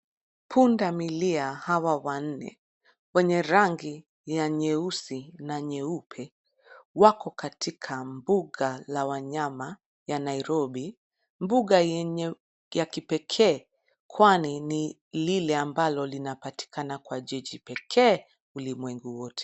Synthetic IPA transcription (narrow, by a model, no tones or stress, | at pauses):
pʰundamiliahawawan̩nɛ̰ | wɛɲɛɾaŋɡi | jaɲɛusinaɲɛupʰɛ | wakɔkatʰikʰambuɠɡalawaɲama | janaiɾɔɓi | mbuɠa | jakipɛkʰɛː | kwanini | lilɛambalɔlinapati̥kʰanakwaʄɛʄipɛkʰɛː | ulimwɛŋɡuwɔtʰɛ̥